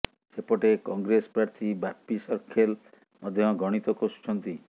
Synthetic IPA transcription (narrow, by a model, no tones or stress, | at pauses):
sepɔʈekɔŋɡɾesɔpɾaɾt̪ʰibapisɔɾkʰel | mɔd̪ʱjɔɡɔɽ̃it̪ɔkosu̥t͡ʃʰɔnt̪i